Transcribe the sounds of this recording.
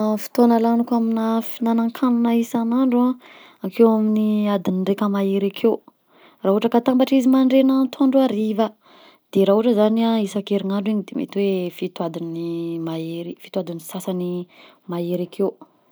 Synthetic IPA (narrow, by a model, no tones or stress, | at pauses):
fi̥t̪onalanukaminafinanaŋkʰanunaisanaɳɖ͡ʐua | akʰewaminiad̪iniɳɖ͡ʐekəmaeɾakʰew | raɦuʈ͡ʂəkat̪ambaʈ͡ʂizimaɳɖ͡ʐenant̪ʰaɳɖ͡ʐuaɾiva | d̪̥eɾauʈ͡ʂəzaniaisakeɾiŋaɳɖ͡ʐiɲid̪emʔḛt̪wefit̪uad̪inimaeɾifi̥t̪uad̪inisasani | maeɾakʰeu